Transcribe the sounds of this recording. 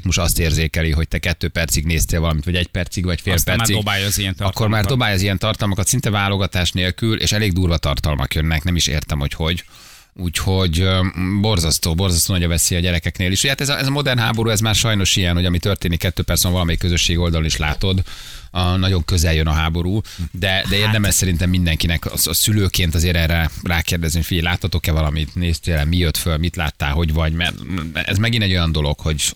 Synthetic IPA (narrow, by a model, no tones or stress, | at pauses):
tmoʃt̪ɒst̪eːrzeːkɛliɦoc̚t̪ɛkɛt̪ːøːpɛrt̪siɡneːst̪eːlvɒlɒmit̪vɒɟɛc̚pɛrt̪siɡʋvɒcfeːlpɛrsiɡbajziɛnɒkːormaːrddo̞baːjɒzijɛnt̪ɒrt̪ɒlmɒkɒt̪sint̪ɛvaːlo̞ɡɒt̪aːʃneːlkylʔḛːʃɛleːɡ̚d̪uːrvɒt̪ɒrt̪ɒlmɒ̰kjønːɛknɛmiʃḛːrt̪ɛmho̞cho̞ɟ | uːcho̞ɟbo̞rzɒst̪oːbo̞rzɒst̪oːnɑɟɒvɛsiːɒɟɛɾɛkɛkneːliʃhojhat̪ɛzɒʔɛzɒmo̞d̪ɛrnɦaːbo̞ɾuːɛzmaːrʃɒjno̞ʃijɛnho̞ɟɒmit̪ø̞rt̪eːnikːɛt̪ːøːpɛrt̪sɛɱvɒlɒmɛikːøzø̞ʃːeːɡo̞ld̪ɒloniʃlaːt̪o̞d̪ | nɒɟo̞ŋkø̞zɛljønɒɦaːbo̞ɾuːd̪ɛd̪ɛeːrd̪ɛmɛʃsɛɾint̪ɛmːind̪ɛŋkinɛkɒ̰ɒsyløːkeːnt̪ɒzeːɾɛrɛraːkeːrd̪ɛzniocfiɟɛlaːt̪hɒt̪o̞kɛvɒlɒmit̪neːst̪eːlɛmijøt̪følmit̪la̰ːt̪ːa̰ːlɦo̞ɟvɒɟmɛ̰rɛ̰zmɛɡinɛɟo̞jɒnd̪o̞lo̞kho̞ɟ